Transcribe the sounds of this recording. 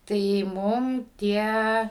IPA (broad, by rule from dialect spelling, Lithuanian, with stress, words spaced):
tɐɪ ˈmʊm ˈtʲiɛ